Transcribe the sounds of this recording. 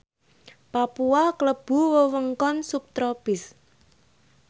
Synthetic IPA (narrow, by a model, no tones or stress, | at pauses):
papuwakləb̥ṳwəwəŋkɔnsup̚t̪ɾɔb̥ɪs